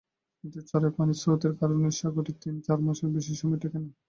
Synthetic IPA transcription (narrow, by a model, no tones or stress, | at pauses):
kint̪et͡ɕaɾepanisot̪eɾkaɾoneʃaɡot̪ik̚t̪init͡ɕaɾmoʃoɾbeʃ̬iʃɔmɔt̪ʰekene